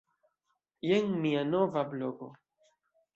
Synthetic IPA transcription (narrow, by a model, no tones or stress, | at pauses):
jeŋmianovabloɡo